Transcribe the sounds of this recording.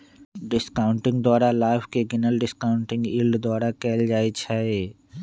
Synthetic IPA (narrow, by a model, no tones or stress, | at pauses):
ɖɪskaːʊ̃ɳʈɪ̃ŋɡd̪ɔːɾalaːɪpʰkeɡɪnəlɖɪskaːʊɳʈɪ̃ŋɡiːlɖd̪ɔːɾakɛːld͡ʒaːet͡ʃʰae